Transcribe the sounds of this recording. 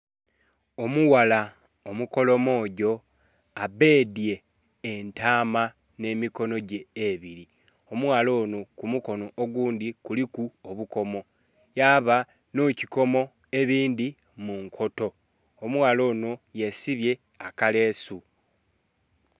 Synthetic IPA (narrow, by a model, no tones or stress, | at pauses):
o̞muwala | omuko̞lo̞moːɟo̞ | abe̞ːdje̞ː | ntaːma | ne̞miko̞no̞ɟe̞ːβiɾi | o̞mwalo̞ːnokumuko̞no̞ʔːɡuːnd̪ikulikuoβuko̞mo̞ | jaːβa | nociko̞mo̞ | e̞βiːndi | muŋkʰo̞to̞ː | muwalo̞ːnoje̞siβje̞ | akale̞ːsu